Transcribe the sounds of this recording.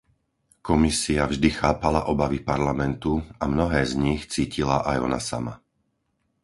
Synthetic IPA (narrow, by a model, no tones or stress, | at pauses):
kɔmisiavʒd̪ixaːpalaʔɔbaʋipaɾlamɛnt̪uamnɔɦɛːzɲixt͡siːcilaʔajɔ̰na̰sa̰ma̰